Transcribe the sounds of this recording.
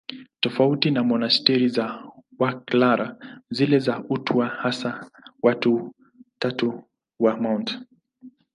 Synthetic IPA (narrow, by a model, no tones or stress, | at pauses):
tɔfautinamɔnastɛɾizawaklaɾazilɛzautwahasawatu | tatu | wamawnt